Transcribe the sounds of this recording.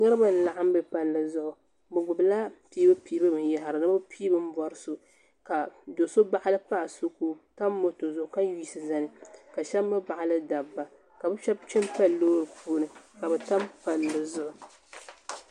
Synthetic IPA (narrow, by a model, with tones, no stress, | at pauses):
nɛ˦ɾɨ˦ba˨n̩˨la˨ʔa˦m˦bɨ˨pa˨lːɨ˨zʊ˦ʔʊ˨ | bɨ˨ɡʊ˨bɨ˨la˦piː˦bɨ˦piː˦bɨ˦mɨ˨nja˦ɦa˨ɾɨ˨nɨ˦bɨ˦pʰiː˦bɨ˦m̩˦bɔ˨ɾɨ˦so˨ | ka˨do˨so˦ba˨ʔa˦lɨ˦pa˦ʔa˨so˦ku˦ta˦mːo˨to˨zʊ˨ʔʊ˨ka˦jiː˦sɨ˨za˦nɨ˨ka˨ʃɛ˦mːɨ˦ba˨ʔa˨lɨ˦da˨bːa˨ | ka˨bɨ˦ʃɛ˦bt͡ʃɛ˦mpɛ˦lːo˦ɾɨ˨puː˦nɨ˨ka˨bɛ˨ta˦mpa˨lːɨ˨zʊ˦ʔʊ˨